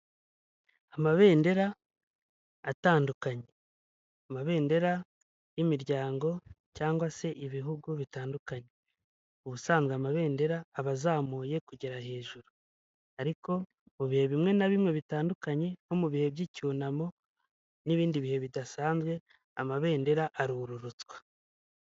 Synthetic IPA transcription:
amaβe̞ːnde̞ɾa | taːndukaɲe̞ | amaβe̞ːnde̞ɾa | jimiɾɟaːŋɡo̞caːŋɡwase̞ʔiβiɦuɡuβitaːndukaɲe̞ | uβusaːnzɡweamaβe̞ːnde̞ɾaːβazaːmuːje̞kuɟe̞ɾahe̞ːʒuɾu | aɾiko̞ | muβihe̞βimŋe̞naβimŋe̞βitaːndukaɲe̞no̞muβihe̞bɟicuːnamo̞ | niβiːndiβihe̞βidasaːnzɡwe̞ | amaβe̞ːnde̞ɾaʔaɾuɾuɾut͡swḁ

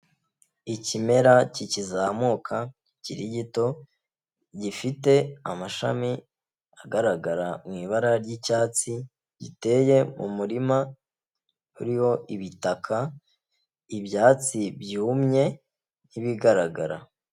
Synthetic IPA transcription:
icime̞ɾacicizamokʰa | ciɾiɟito̞ | ɟifite̞amaʃa̰mi | aɡaɾaɡaɾamŋiːβaɾaɾɟicaːt͡si | ɟḭte̞ːje̞mṵmuɾima | ṵɾiho̞ʔiβitakʰa | ibjaːt͡sibɟihumɲe̞ | niβiɡaɾaɡaɾa̰

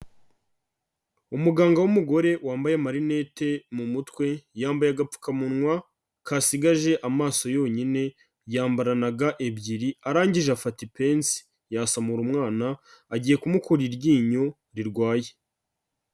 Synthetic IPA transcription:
umuɡaːŋɡawumuɡo̞ɾe̞waːmbajemaɾine̞temumutkwe̞jaːmbajaɡapp͡fu̥kamunŋwa | kasiɡaʒe̞ʔamaːso̞jo̞ːɲine̞ | jaːmbaɾanaɡaʔebɟiɾiaɾaːɲɟiʒeafatipe̞nsi̥ | jaːsamuɾumŋaːnaːɟiːje̞kumukuɾiɾɟiːɲo | ɾiɾɡwaːje

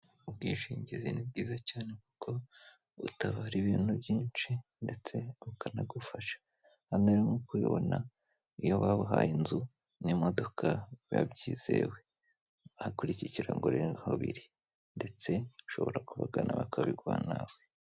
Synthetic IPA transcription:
ubɡiːʃiːɲɟizinib̚ɡiːzacaːne̞ku̥kʰo̞ | ṵtaβaːɾiβiːn̥hubjiːnt͡ʃinde̞t͡se̞ukanaɡufaʃḁ | haneɾimokuiβo̰na | ijo̞βaβuɦa̰jinzu | nimo̞do̞kʰaja̰bɟiːz̥e̞̰we̞ | βahakuɾiciciɾaŋɡoɾehoβḭɾi | nde̞t͡se̞uʃo̞̰βo̞ɾakuβaɡanaβakʰaβiɡwa̰ːnawe

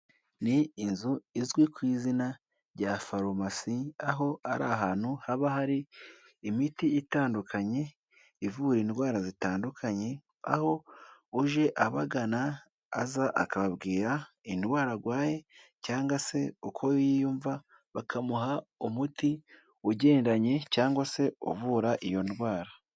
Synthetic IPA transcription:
niːnzuizɡwikwiːzina | ɾɟafaɾomasiaɦo̞aɾa̰ɦaːn̥huhaβahaɾiː | mitiʔitaːndukʰaɲe̞ | ivuɾiːndwaːɾazitaːndukʰaɲe̞ | a̰ho̞uʒe̞ʔaβaɡana̰ː | zaʔa̰kaβaβɡiːɾa | indwaːɾaɡwaːje̞caːŋɡwase̞okʰojjijuːɱva | βakʰamuɦaumutʰi | uɟe̞ːnɾaɲe̞caːŋɡwase̞o̰βuːɾaʔijo̞ndwaːɾa

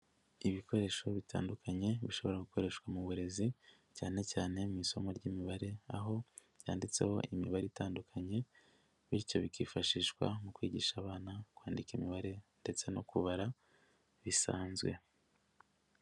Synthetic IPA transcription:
iβiko̞ɾe̞ːʃo̞βitʰa̰ːndukʰaɲe̞βiʃo̞βo̞ɾaɡuko̞ɾe̞ʃkwamuβuɾe̞zi | caːne̞caːne̞mumiso̞moɾɟimiβaɾe̞aɦo̞ | β̥jaːndit͡se̞̰ho̞̰ʔimiβaɾeitaːndukʰaɲe̞ | βiɾco̞βikiːfaʃiːʃwa̰mukwiːɟiʃaːβaːnakwaːndikimiβaɾe̞nde̞t͡se̞no̞kuβaɾa | βisa̰ːnzɡwe̞̰

